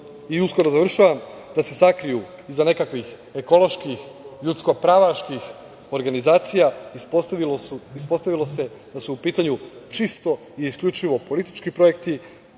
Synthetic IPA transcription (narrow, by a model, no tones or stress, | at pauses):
iusko̞ɾozaʋr̩ʃaʋamd̪ase̞sakɾiju | izane̞kakʋix | e̞ko̞lˠo̞ʃkix | ʎut̪sko̞pɾaʋaʃkix | o̞ɾɡanizaːt̪sijaipoiluispo̞st̪aʋilo̞se̞ | d̪asuːpiːt̪aɲut͡ʃist̪o̞ | iːskʎʲut͡ʃiʋo̞po̞lit̪i̥t͡ʃkipɾo̞je̞kt̪i